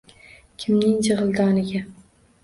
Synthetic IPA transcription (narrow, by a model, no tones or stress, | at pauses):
kʲʰɪmnɪŋd͡ʒɨʁɨlˠd̪ɒnɪɡʲa